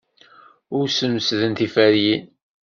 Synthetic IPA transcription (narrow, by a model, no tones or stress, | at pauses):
ʊɾsəmsðənθifæɾjin